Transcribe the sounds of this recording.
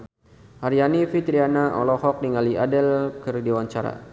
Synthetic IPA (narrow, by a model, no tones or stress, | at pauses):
haɾjanifit̪ɾianaʔɔ̰lɔhɔk̚niŋaliʔadɛlkɨrdiwaɲt͡ʃaɾa̰